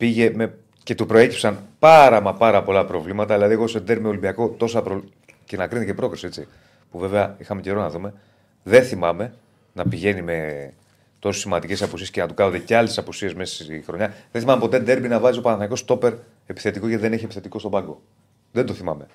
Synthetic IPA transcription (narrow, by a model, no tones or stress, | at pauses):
piʝe̞me̞ | ce̞t̪upɾo̞e̞cipsɐnpɐɾɐmɐpɐɾɐpo̞lɐpɾo̞vlimɐt̪ɐðilɐðieɣo̞sed̪e̞ɾbmio̞limbiɐko̞t̪o̞sɐpɾo | cenɐkɾint̪ecepɾo̞kɾisiet͡si | puve̞veɐixɐme̞ceɾonɐðume̞ | ðe̞θimɐme̞ | nɐpiʝe̞nime | t̪o̞si̥simɐnd̪ice̞sɐpusiscenɐt̪ukɐnod̪eceɐlesɐpusie̞zme̞ssixɾo̞ɲɐðenθimɐmepo̞t̪e̞d̪e̞ɾbinɐvɐziopɐnɐθɐniko̞st̪o̞pe̞ɾ | epi̥θe̞t̪iko̞ceðeneçiepiθet̪iko̞st̪o̞bɐŋɡo̞ | ðend̪oθimɐme̞